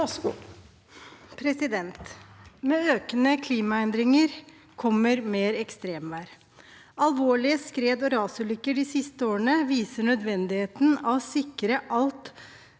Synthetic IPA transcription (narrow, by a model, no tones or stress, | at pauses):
pʰɾɛsɪd̪ɛnt̪meːøːkənəkʰliːmɑɛnd̪ɾɪŋəɾ | kʰɔmːəɾmeːɾɛkst̪ɾeːmʋæːɾ | ɑlʋoːɭɪəskɾeːd̪ɔɾɑːsəlʏkːəɖɪsɪst̪əoːɾəɳəʋiːsəɳœd̪ʋɛnd̪ɪheːt̪nɑʋsɪkɾəʔɑlt̪